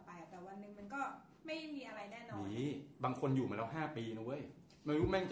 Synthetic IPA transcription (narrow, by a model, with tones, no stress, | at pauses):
pa˧˩a˨˩t̪ɛː˨˩wa˧nːɯ˨ŋma˧nkɔː˥˩ | ma˥˩jmiː˧ʔa˧ɾa˧jnɛː˥˩nɔː˧n˧iː˦baː˧ŋkʰo˧njuː˨˩maː˧lɛ˦˥wɦaː˥˩piː˧nu˦˥ə˨˩j | maː˧nu˦˥t̪̚mɛ˥˩ŋt͡ɕ